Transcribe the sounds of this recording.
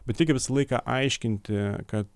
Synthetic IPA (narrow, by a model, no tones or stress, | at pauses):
bʲɛt̪ʲɪkʲɪʋʲɪsɐlˠɐɪkɑ̰ʔɐɪʃʲkʲɪnʲt̪ʲɪkɐt̪